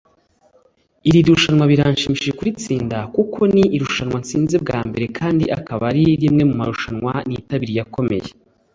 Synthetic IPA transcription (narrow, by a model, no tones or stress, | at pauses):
iɾiɾuʃanŋwaβiɾaːnʃimiʃiʒekuɾit͡siːndakukʰo̞niːɾuʃanwant͡siːnzeb̚ɡaːmbe̞ɾe̞kʰaːndḭʔakaβaɾiɾimŋe̞mumaɾuʃanwanitaβiɾijako̞me̞̰je